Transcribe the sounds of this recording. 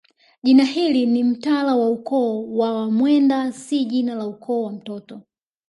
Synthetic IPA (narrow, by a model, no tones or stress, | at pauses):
ʄinahilinim̩talawaukɔːwawamwɛndasiʄinalaukʰɔːwam̩tɔtɔ